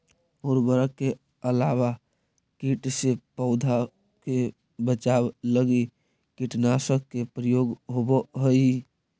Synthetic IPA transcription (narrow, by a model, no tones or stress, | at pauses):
ɔːɾbəɾəkːe | əlawa | kiʈsepəʊd̪ʱa | ke | bət͡ʃabləɡi | kiʈnasəkkepɾəjoːɡɦoboɦəi